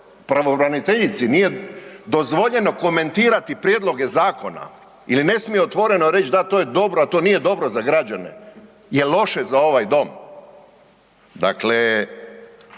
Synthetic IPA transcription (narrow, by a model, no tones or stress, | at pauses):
pɾaʋo̞bɾanit̪eʎit̪sinije̞d̪o̞zʋo̞ʎe̞no̞ko̞me̞nt̪iːɾat̪ipɾjed̪lo̞ɡe̞zaːko̞na̰ | iline̞smijeot̪ʋo̞ɾe̞noɾe̞t͡ʃd̪at̪ojed̪o̞bɾoat̪o̞nije̞d̪o̞bɾo̞zaɡɾad͡ʒanḛ | jelˠo̞ʃezao̞ʋajd̪o̞m | d̪a̰kle